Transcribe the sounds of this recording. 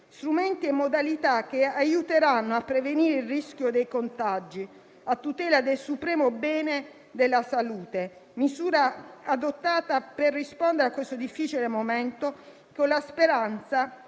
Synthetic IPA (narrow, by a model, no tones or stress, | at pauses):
st̪ɾumɛnt̪iemːod̪alit̪ak̟eajut̪eɾanːoapːɾeveniːɾeilrːisk̟jod̪ejkont̪ad͡ʒːi | at̪ːut̪ɛːlad̪elsupɾɛːmobɛːne | d̪elːasaluːt̪emizuːɾaad̪ot̪ːaːt̪aperːispond̪eɾeakːwest̪od̪ifːiːt͡ʃilemomɛnt̪o | konlaspeɾant̪sa